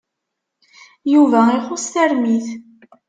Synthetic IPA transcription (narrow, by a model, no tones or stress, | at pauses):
juvæiχosθæɾmiθ